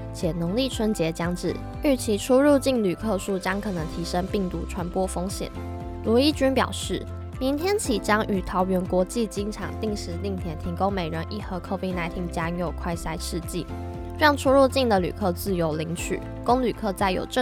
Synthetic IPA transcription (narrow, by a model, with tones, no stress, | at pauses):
t͡ɕʰjɛ˨˩no˧˥ŋli˥˩ʈ͡ʂʰwə˥nt͡ɕjɛ˧˥t͡ɕjɑ˥ŋʈ͡ʂɻ̩˥˩ | y˥˩t͡ɕʰi˧˥ʈ͡ʂʰu˥ɻu˥˧t͡ɕi˥˩ŋly˨˩kʰɤ˥˧ʂu˥˩t͡ɕjɑ˥ŋkʰɤ˨˩nɤ˧˥ŋt̪ʰi˧˥ʂə˥ŋpi˥˩ŋt̪u˧˥ʈ͡ʂʰwa˧˥npwɔ˥fo˥ŋɕjɛ̰˨˩˦n | lwɔ˧˥i˥t͡ɕy˥npjɑ̰˨˩ʊʂɻ̩˥˩ | mi˧˥nt̪ʰjɛ˥nt͡ɕʰi˧˥t͡ɕjɑ˥ŋʔy˨˩t̪ʰɑ˧˥ʊɥɛ˧˥nkwɔ˧˥t͡ɕi˥˩t͡ɕi˥ŋʈ͡ʂʰɑ̰˨˩ŋt̪i˥˩ŋʂɻ̩˧˥li˥˩ŋt̪ʰjɛ˧˥nt̪ʰi˧˥ŋko˥ŋme˨˩ɪɻə˧˥nʔi˥˩xɤ˧˥kʰɤ˥˧ʊpi˥˧ŋna˧˥ɪt̪ʰi˥˩ŋt͡ɕja˥˧ŋjo˥˩ʊkʰwa˥˧ɪsa˥ɪʂɻ̩˥˧t͡ɕi˥˩˥ | jɑ˥˧˩ŋʈ͡ʂʰu˥ɻu˥˧t͡ɕi˥˩ŋd̪ə˨˩ly̰˨˩kʰɤ˥˧t͡sɹ̩˥˩jo˧˥ʊli˧˥ŋt͡ɕʰy̰˨˩˦ | ko˥ŋly˨˩kʰɤ˥˧t͡sa˥˩ɪjo̰˨˩ʊʈ͡ʂ